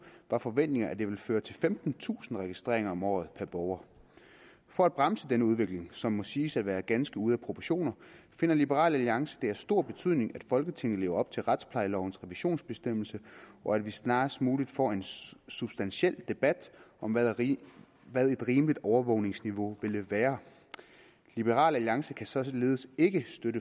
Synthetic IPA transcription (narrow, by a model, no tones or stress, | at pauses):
ʋɑ̈fɒ̽ʋen̰d̥e̝ŋɐæd̥e̝ʋe̝lføːɐt͡sʰe̝lfemd̥n̩t͡sʰṵːsn̩ʁɛɡ̥isd̥ʁḛɐ̰eŋɐɒ̽mɒ̰ːð̞̩ˠpʰæɐb̥ɒʊɐ | fɒ̽æd̥̚b̥ʁamsəd̥enəuð̞ˠʋe̝ɡ̥le̝ŋsɒ̽mːɒ̽siːsædʋæːɐɡ̥ænsɡ̥əuð̞ˠæpʰʁopʰɒɕo̝̰ːnɐfe̝nɐlib̥əʁɑ̰̈ːlæliɑ̈ŋsə̥d̥e̝æɐsd̥o̝ɐ̰b̥e̝t͡sʰyð̰ˠne̝ŋæd̥fɒ̽lɡ̥ət͡sʰe̝ŋ̰ð̩ˠle̝ːʊɐɒ̽b̥̚t͡sʰe̝lʁad̥spʰlɑ̈ɪlɒʊn̩sʁɛʋiɕo̝̰ːnsb̥e̝sd̥em̰l̩səɒ̽ædʋisnɑ̈ːsd̥muːlid̥fɒ̰e̝nsub̥sd̥ænɕel̰d̥e̝b̥æd̥ɒ̽m | ʋæð̞ˠe̝d̥ʁiːmlid̥ɒʊɐʋɔʊne̝ŋsniʋo̝ʋe̝ləʋæːɐ | lib̥əʁɑ̰̈ːlæliɑ̈ŋsəkʰæsɒ̽le̝ːð̞̩ˠəse̝ɡ̥əsd̥øɾə